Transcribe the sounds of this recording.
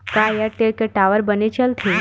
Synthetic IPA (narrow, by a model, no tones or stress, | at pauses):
kajaʈeɭkeʈaʋəɾbənet͡ɕəlt̪ʰi